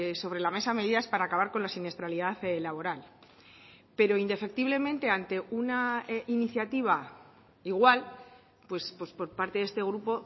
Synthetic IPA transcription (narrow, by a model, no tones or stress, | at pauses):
so̞βɾe̞lame̞same̞ðiðaspaɾaːkaβaɾko̞nlasine̞st̪ɾaliðaθlaβ̞o̞ɾal | pe̞ɾo̞ind̪e̞fe̞k̚t̪iβle̞mẽ̞nt̪e̞ant̪e̞unainiθjat̪iβ̞a | iɣwal | pwe̞spwo̞spo̞ɾpaɾt̪eðest̪e̞ɣ̞ɾupo̞